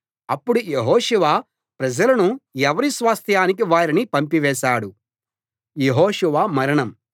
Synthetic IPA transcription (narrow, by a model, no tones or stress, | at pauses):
ɐpːuɽujeɦɔːʃuʋaː | pɾɐd͡ʒɐlɐnuɛʋɐɾisʋaːst̪ʰjaːnik̬iʋaːɾinipɐmpiʋɛːʃaːɽu | jeɦɔːʂuʋaːmɐɾɐɳɐm